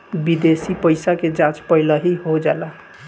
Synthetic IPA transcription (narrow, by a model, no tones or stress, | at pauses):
bid̪esipəjsaked͡ʒãt͡ʃpəɪləɦiɦod͡ʒala